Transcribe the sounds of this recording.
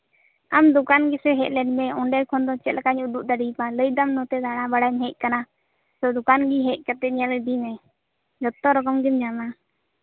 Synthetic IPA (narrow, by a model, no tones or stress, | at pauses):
amd̪ukanɡisɛɦɛʔ̚lɛnmɛɔɳɖɛjkʰɔnd̪ɔt͡ʃɛt̪lakaɲud̪uʔ̚d̪aɖipaləjd̪amnɔt̪ɛd̪aɽ̃abaɽaɲɦɛʔ̚ˀkana | sɔd̪ukanɡiɦɛʔ̚ˀkat̪ɛɲalɖimɛ | d͡ʒɔt̪ːɔɾɔkɔmɡimd͡ʒana